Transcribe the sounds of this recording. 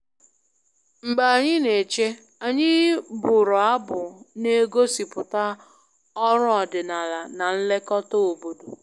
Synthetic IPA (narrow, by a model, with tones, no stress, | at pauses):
ŋ͡m̩˨ɡ͡ba˨ɲɪ˦ne˨t͡ʃe˦ | a˨ɲɪ˦bʊ˨ɾɔ˨a˦bʊ˨ne˦ɡo˦si˨pʊ˨ta˦ | ɔ˦ɾʊ˦ɔ˨dɪ˨na˨la˨na˨n̩˦le˦kɔ˦tɔ˦o˨bo˨do˨